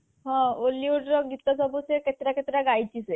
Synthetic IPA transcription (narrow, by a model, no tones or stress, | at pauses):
ɦɔ̃olːiuɖɡʱit̪ːɔsɔbuseket̪ɾaket̪ɾaɡajt͡ɕise